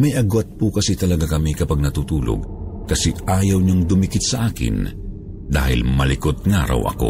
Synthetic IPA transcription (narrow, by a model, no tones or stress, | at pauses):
mɐjʔɐɡwat̪̚pukɐsit̪ɐlɐɡakɐmikɐpaɡ̚nɐt̪uːt̪uːlo̰ɡ̚kɐsɛʔaːjɐwɲoŋd̪ʊmikɪt̪̚sɐʔaːkɪ̰n | d̪a̰ːhɪ̰lmɐlɪkot̪̚ŋaːɾɐ̰wʔɐ̰ko̞̰